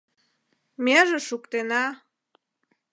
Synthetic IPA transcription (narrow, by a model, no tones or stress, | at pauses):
meʒĕʃukt̪enɑ